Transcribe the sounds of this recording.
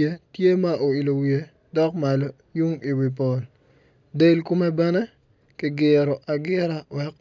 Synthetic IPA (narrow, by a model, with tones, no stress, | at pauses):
e˦tje˦ma˦ʔo˨i˨lo˨wje˦ | dɔ˦kma˨lo˦ | ju˦ŋi˨wi˨p̬ɔ˨l | de˦lku˦mɛ˦bɛ˦nɛ˦ | kɪ˦ɡɪ˨ɾɔ˨ʔa˨ɡɪ˦ɾa˨wɛ˦k̚